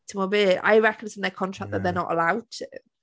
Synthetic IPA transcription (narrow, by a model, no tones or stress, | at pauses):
tʰəməbɪlɪʔa̰ɪɹɛkənazə̃nðəkʰɒ̃ntʰɹ̥ak̚ðəʔðənə̰ʔə̰laʊd̚tʰʉ